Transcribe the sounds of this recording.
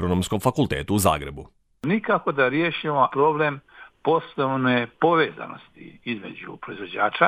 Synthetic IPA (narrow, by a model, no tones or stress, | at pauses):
ɾonomskomfakulˠt̪ḛːt̪uuza̰ːɡɾe̞bu | nikako̞d̪aɾjeʃimopɾo̞blempo̞snoʋnepo̞ʋeːza̰no̞̰st̪ḭizme̞̰d͡ʑṵpɾo̞izʋo̞d͡ʑaːt͡ʃa